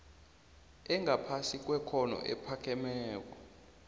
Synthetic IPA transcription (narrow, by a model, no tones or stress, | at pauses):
ɛŋɡʱapʰasik̬ʼwɛkʰɔnɔ̰ʔɛ̰pʰakʰɛmɛːk̬ʼɔ